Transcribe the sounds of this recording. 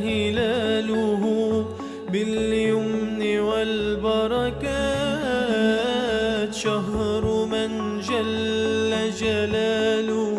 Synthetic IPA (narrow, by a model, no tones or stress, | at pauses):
hɪlaːlʊɦʊ | bɪljʊmnɪwalbɑɾˤɑka | t̪ʃaɦɾˤmɪn | d͡ʒalːad͡ʒalaːlʊ